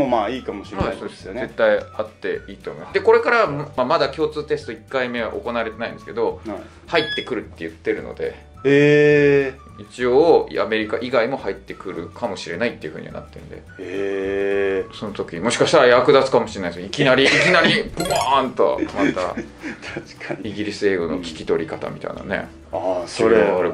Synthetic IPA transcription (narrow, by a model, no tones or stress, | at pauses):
momaːiːkamoɕiɾhasoːd̪esnze̞t̪ːaiat̪ːe̞iːt̪omoimasd̪eko̞ɾe̞kaɾamamad̪akʲo̞ːt͡sɨːt̪e̞sɨ̥t̪o̞ikːaime̞a̰ʔo̞̰ko̞naaɾet̪e̞naĩnd̪esɨ̥ke̞d̪o̞ | hait̪ːe̞kɯ̟ɾɯ̟t̪ːe̞jɯ̟t̪ːe̞ɾɯ̟no̞̰d̪e̞̰ | e | it͡ɕioːame̞ɾʲikaʔiɡaimo̞hait̪ːe̞kɯ̟ɾɯ̟kʰamo̞ɕiɾe̞nait̪ːeiɯ̟ɸɯ̟ɲḭa̰na̰t̪ːe̞ɯ̟nd̪e̞̰ | so̞not̪o̞kʲimo̞ɕi̥kaɕi̥t̪aɾajakɯ̟d̪at͡sɨ̥kamo̞ɕiɾeaisikʲinaɾʲiːkʲinaɾʲiboant̪o̰mat̪at̪kiɡʲiɾʲisɨeːɡo̞no̞̰kʲi̥kʲi̥t̪o̞ɾʲikat̪a̰mʲit̪a̰ḭ̃na̰ne̞̰ | asoɾeɾe